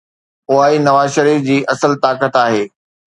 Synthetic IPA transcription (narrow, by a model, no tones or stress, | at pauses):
ʊaːinɐʋaːzʃəɾiːfd͡ʑiːʔɐsəlt̪aːkət̪aːɦeː